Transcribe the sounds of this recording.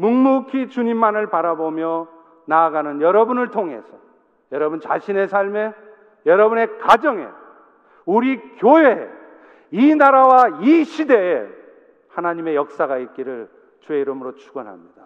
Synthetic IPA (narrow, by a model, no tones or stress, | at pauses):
muŋmukʰit͡ɕuɲimːanɯɭpaɾabomjʌ | naːɡanɯnjʌɾʌbunɯɭtʰoŋɦe̞̰sʰʌ̥ | jʌɾʌbunt͡ɕa̰ɕʰine̞sʰaɭme | jʌɾʌbune̞kad͡ʑʌŋe̞̰ | uɾikjoɦe̞ | inaɾawaiɕʰide̞ː | hanaɲime̞jʌk̚s͈aɣait̚k͈iɾɯɭ | t͡ɕweiɾɯmɯɾot͡ɕʰuɡʌnɦa̰mɲid̥a